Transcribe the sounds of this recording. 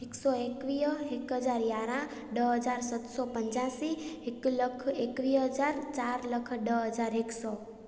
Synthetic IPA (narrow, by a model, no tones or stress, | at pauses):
ɦeksɔekʋiəɦikɦəd͡ʒaɾjaɾã | ɖəɦəd͡ʒaɾsət̪sɔpəɲt͡ʃasiɦikləkʰekʋiɦəd͡ʒaɾt͡ʃaɾləkʰɖəɦəd͡ʒaɾɦeksɔ